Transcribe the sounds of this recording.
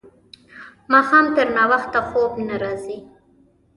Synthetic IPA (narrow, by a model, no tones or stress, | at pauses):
mɑxɑmt̪əɾnawaxt̪ːaxobnaɾɑzi